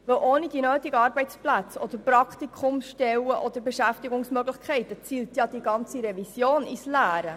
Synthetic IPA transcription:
vəwʔoːnid̥inøːt̪iɡəɑːɾbɛɪt͡splæt͡sɔd̥̪əɾprɑkt̪ikʰχʊmʃtɛwəʔɔd̪əɾbeʃæftiɡʊŋsmøɡləχkʰɛɪtət͡siːltjɑdiɡɑnt͡siɾɛvisjoːnislæːɾə

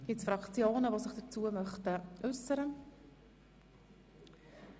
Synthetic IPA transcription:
ɡ̥ɪtsfɾɑkt͡sjoːnəvosɪχd̥ət͡suəmœχtəʔʉsəɾə

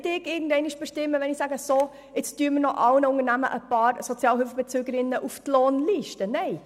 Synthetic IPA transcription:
tɪɡɪːɡən̩dɛɪnɪʃb̥eʃtɪmːəʋɛnɪxsæɡəso | ɪt͡sttyːmənɔʔɑlnəʊŋəɾnæmə̰ʔəpɑːɾsɔt͡sjɑːlhølfəb̥ɛt͡søːɡəɾɪnːəʔuftloːnliʃtənɛɪ

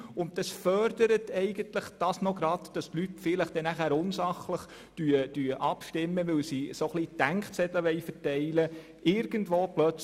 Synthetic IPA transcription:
ʊnt̚d̥ɑsfœɾdəɾətɛɪɡ̥əntləχd̥ɑsnoɡɾɑdd̥ɑstlytfɪləχd̥ɛnæχæːɾʊnsɑχləχ | d̥yəd̥yəʔɑpʃtɪmːəʋɪwsisoχlid̥æŋkt͡sɛtəʋɛɪfətɛɪlə | ʔɪɾɡ̥əndʋoːplœt͡s

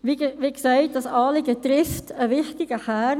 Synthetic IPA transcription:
ʋiʋikseɪt̚d̥ɑsɑːliɡətɾɪftʰəʋɪχtɪɡ̥əχæ

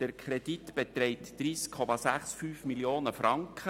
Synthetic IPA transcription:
d̥əɾkʰɾɛd̥it̪b̥et̪ɾɛɪtd̥riːskʰːɔmɑsæχsfyːfmiljoːnəfɾɑŋkχə

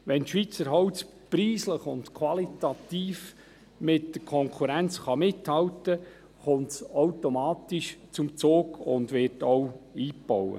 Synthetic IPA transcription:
ʋɛntʃʋit͡səɾɦɔwt͡s | priːsləχʊntkʰwɑlitɑt̪iːf | mɪtdəɾkʰɔŋkʰuɾænt͡sχɑmɪthɑwtə | χʊmtsowtomɑːt̪iʃt͡sʊmt͡soːɡʊ̰ndʋɪɾtɔwiːpɔwə̰

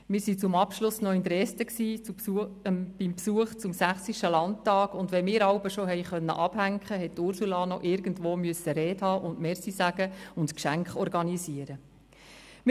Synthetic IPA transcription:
mɪːɾsit͡sʊmɑpʃlʊsnɔɪnt̪ɾɛstəksiː | b̥impsuəχt͡sʊmsæχsiʃtəlɑntɑːɡ̥ʊndʋɛmɪːɾɑwbəʃɔɦɛjχœnːə̰ʔɑb̥hæŋkχəɦɛttʊɾsulɑːnɔʔɪɾɡ̥əndʋoːmyəsːəɾɛːthɑːʔʊndmeːɾsisæɡ̥əʊntkʃæŋkχɔɾɡɑnisiəɾə | m

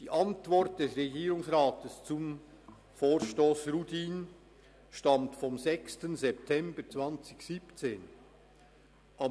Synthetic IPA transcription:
d̥iːʔɑntv̥ɔʁt̚d̥ɛsʁeɡiːɾʊŋsʁaːtəst͡sʊm | foːʁʃtoːsʁutiːn | ʃtamtfɔmzɛkstənzɛp̚tʰɛmbət͡sv̥ant͡sɪçsipt͡seːn | ʔa

